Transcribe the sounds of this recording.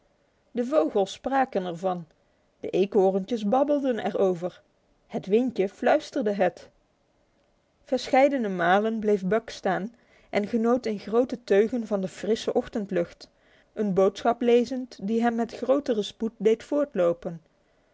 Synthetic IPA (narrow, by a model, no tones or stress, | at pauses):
dəvowχəlˠsːpraːkənɛɹvɑn | d̥əʔejkʊːrəntəsbɑbəlˠdənɛ̰rowvəɹ | hətʋɪnkəflœɥstərdəɦət | v̥əɹsχɛjdənəmaːlənblejfbœkstaːn | ʔɛnχənowtɪnχrowtətøɥχənvɑndəfrɪsəʔɔχtəntlɵχt | ʔənbowtsχɑplejzəntdiɦɛmːɛtχrowtərəsput̚dejtfʊːɹtlowpən